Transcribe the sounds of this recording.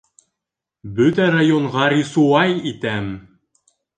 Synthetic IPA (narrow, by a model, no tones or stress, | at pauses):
bɵt̪ærajoɴʁɑɾʲisuɑjit̪æm